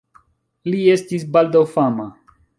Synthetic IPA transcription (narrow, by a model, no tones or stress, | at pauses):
lie̞stis̬bald̪awfama